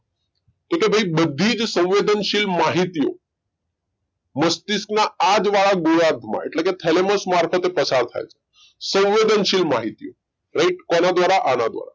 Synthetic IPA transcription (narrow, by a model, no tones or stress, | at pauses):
kekebʱəibəd̪ʱːid͡ʒsə̃w̃ʋed̪ənʃilmaɦit̪ijo̰ | məst̪isknaad͡ʒʋaɭaɡojad̪ʱmã̰ḛʈleket̪ʰeleməsmaɾfət̪epəsaɾt̪ʰa̰jet͡ʃʰe̥ | sə̃w̃ʋed̪ənʃilmaɦit̪ijo | ɾeiʈkɔnad̪ʋaɾaʔanad̪ʋa̰ɾa